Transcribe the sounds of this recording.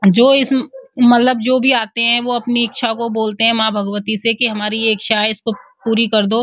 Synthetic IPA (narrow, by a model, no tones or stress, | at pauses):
d͡ʒoːɪsmɐt̪ləb̚d͡ʒoːbʱiaːt̪eɦɛ̃ʋoɐpniɪkʃʰakoboːlt̪eɦɛ̃mãːbʱɐɡʋət̪isekiɦɐmaːɾijeːkʃaːɦɪskopuːɾikɐɾd̪oː